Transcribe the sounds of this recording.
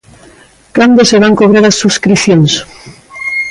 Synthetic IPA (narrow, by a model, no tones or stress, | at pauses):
kand̪oseβaŋkoβ̞ɾaðasːuskɾiθjons